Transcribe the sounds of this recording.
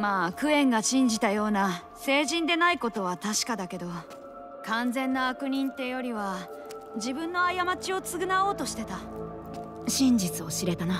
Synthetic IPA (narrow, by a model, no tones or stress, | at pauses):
maːkɯ̟ẽ̞ŋɡaɕĩɲ̟d͡ʑit̪ajo̞ːna | se̞ːʑĩnd̪e̞naiko̞t̪o̞β̞at̪aɕi̥kad̪ake̞d̪o̞ | kãnd͡zẽ̞nːaːkɯ̟ɲ̟ĩnt̪e̞jo̞ɾʲiβa | d͡ʑibɯ̟̃nːo̞ajamat͡ɕio̞t͡sɨɡɯ̟nao̞ːt̪o̞ɕi̥t̪e̞t̪a | ɕĩɲ̟d͡ʑit͡sɨo̞ɕiɾe̞t̪ana